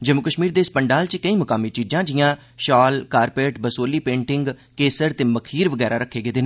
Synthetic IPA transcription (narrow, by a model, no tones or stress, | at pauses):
d͡ʒəmʊkəʃmiːɾd̪eːspəɳɖaːlt͡ʃkəĩːmʊkaːmiːt͡ʃiːd͡ʒãːd͡ʒɪjãː | ʃaːlkaːɾpeːʈbəsoːliːpẽːɳʈɪŋɡ | keːsəɾt̪eːməkʰiːɾʋəɡɛːɾaːɾəkʰːeːɡeːd̪eːneː